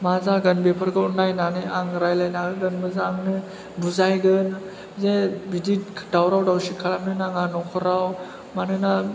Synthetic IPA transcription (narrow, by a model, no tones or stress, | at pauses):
mazaɡanbepʰɯɾɡɯunajnanɯaŋɾajlajnaɡɯɡɯnmɯzaŋnɯ | buzajɡɯn | zebidid̥awɾawdawsikʰaɾamnɯnaŋanɔkʰɯɾaw | manɯna